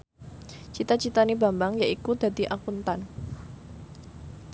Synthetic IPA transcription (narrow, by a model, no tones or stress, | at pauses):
t͡ʃit̪at͡ʃit̪anibambaŋjaʔikud̪a̤d̪iʔakunt̪an